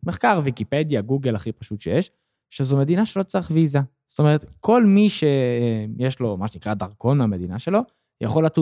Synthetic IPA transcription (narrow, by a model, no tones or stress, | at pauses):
meχkaʁvikipedjaɡuɡelaχipaʃutʃejeʃ | ʃezome̞d̪inaʃe̞lo̞t͡saeχviza | zo̥t̪o̞me̞ʁetkʰo̞lmiʃeemjeʃlo̞maʃenikʁadaʁko̞nmame̞d̪inaʃe̞lo̞ | ja̰χo̞latu